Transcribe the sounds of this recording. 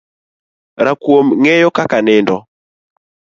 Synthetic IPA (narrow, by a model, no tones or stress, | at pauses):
ɾakwomŋɛjɔkakanɪndɔ